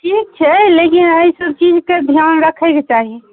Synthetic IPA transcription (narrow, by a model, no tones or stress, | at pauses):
ʈʰiːk̚t͡ʃʰɛlekinəisɔt͡ʃid͡ʒked̪ʱijanɾəkʰɛket͡ʃaːɦi